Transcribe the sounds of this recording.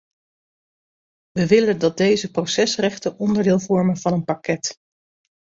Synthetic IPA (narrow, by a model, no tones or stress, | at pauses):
ʋəʋɪləndɑd̚dejzəprowsɛsrɛχtənɔndəɹdɪːlˠvɔɹmənvɑnənpɑkɛt